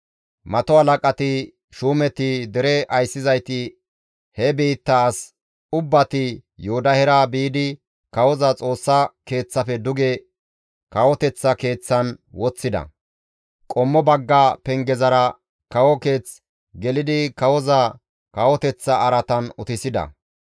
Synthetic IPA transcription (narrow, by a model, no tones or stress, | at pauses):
mɐt̪ɔhɐlɐkʼɐt̪ɪ | ʃuːmɛt̪ɪd̪ɛɾɛʔɐjsːɪzɐjt̪ɪ | hɛbiːt̪ːɐːs | ʊbːɐt̪ɪjoːd̪ɐhɛɾɐbiːd̪ɪ | kɐwɔzɐt͡sʼo̞ːsːɐke̞ːt͡sːɐfɛd̪ʊɡɛ | kɐwɔt̪ɛt͡sːɐke̞ːt͡sːɐnwɔt͡sːɪd̪ɐ̰ | kʼɔmːɔbɐɡːapɛŋɡɛzɐɾɐ | kɐwɔke̞ːt͡s | ɡɛlɪd̪ɪkɐwɔzɐ | kɐwɔt̪ɛt͡sːɐːɾɐt̪ɐnʊt̪ɪsɪd̪ɐ̰